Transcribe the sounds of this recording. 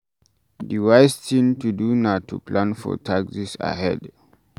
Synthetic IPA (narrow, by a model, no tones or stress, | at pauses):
diwajstĩntudunatʰṵplãnfɔ̰tʰaksisa̰ɦɛ̰d